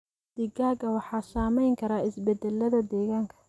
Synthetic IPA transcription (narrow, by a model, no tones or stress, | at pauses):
d̪̥ɪɡaːɡɐwɑħɑːsaːmɛjŋkʰɐɾaːɪsbɛd̪ɛlːɐðɐd̪ɛːɣaːŋkʰɐ̥